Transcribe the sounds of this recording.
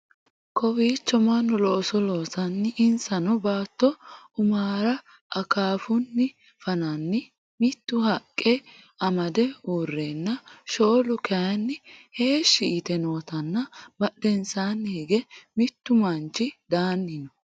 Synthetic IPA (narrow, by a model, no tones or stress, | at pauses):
kʰɔwiːt͡ʃːɔmɐnːɔlɔsɔloːsɐnːɪɪnsɐnɔbaːt̪ːɔ | ʊmaːɾɐ | ʔɐkaːfʊnːɪ | fɐnɐnːɪ | mɪt̪ːʊhɐkʼːɛ | ɐmɐd̪ɛuːrːenːɐʃo̞ːlʊkɐjɐnːɪheːʃːɪʔɪt̪ɛnoːt̪ɐnːɐbɐɗɛnsaːnːeɡɛmɪt̪ːʊmɐnt͡ʃːɪd̪aːnːɪnɔ